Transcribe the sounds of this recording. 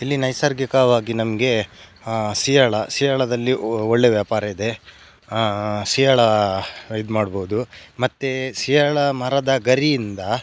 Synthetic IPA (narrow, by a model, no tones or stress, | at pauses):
ilːinɐjsɐɾɡikɐʋaːɡinɐmɡe̞ | sijɐɭɐsijɐɭɐd̪ɐlːioɭːe̞ʋjaːpaːɾɐid̪e̞ | sijɐɭɐ | id̪maːɽboud̪umɐt̪ːesijɐɭɐmɐɾad̪ɐɡɐɾijind̪ɐ